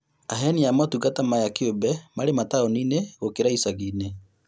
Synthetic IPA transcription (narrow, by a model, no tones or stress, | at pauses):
aɦɛniamɔtuɣatamajakeobɛmaɾemataɔnineɣokeɾaisaɣiːne